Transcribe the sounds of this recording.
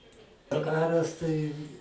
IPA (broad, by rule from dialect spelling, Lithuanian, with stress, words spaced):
dɐˈkɑːrɐs tɐɪ